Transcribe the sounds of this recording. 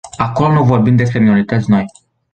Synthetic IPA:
ako̞lonuvo̞rbimd̪e̞s̬pɾe̞mino̞ɾit̪ət̪sʲno̞j

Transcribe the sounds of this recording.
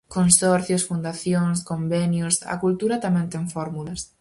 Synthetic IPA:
konsɔɾθjʊsfund̪aθjoŋskombɛnjʊsɐ̰kult̪uɾɐt̪amɛ̃nt̪eŋfɔɾmulɐs

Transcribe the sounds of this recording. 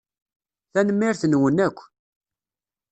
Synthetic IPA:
θænəmːiɾθənwənækʷː

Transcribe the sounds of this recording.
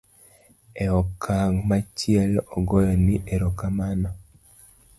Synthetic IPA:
eɔkʰaɡmat͡ʃiɛlɔɡɔjɔniʔeɾokamanɔ

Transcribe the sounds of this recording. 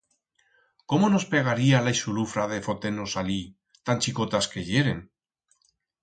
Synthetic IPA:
komonospeɣ̞aɾialajsulufɾaðe̞fot̪enosali | t̪anʲt͡ʃikot̪askeʎeɾen

